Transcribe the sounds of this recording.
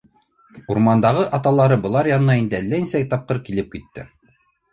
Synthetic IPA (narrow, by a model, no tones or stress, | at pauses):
uɾmɑnd̪ɑʁɤʔɑt̪ɑlˠɑɾɤbɤ̆lˠɑɾjɑnɤnɑind̪ɘælːæinsækt̪ɑp̚qɤɾkilɘp̚kit̪ːɘ̰